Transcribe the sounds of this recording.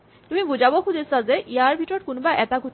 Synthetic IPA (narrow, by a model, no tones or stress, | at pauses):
t̪umibud͡ʑabokʰudʱesad͡zeʔiaɾbʱiʈɔɾ̚kunbaʔɛt̪aɡʱu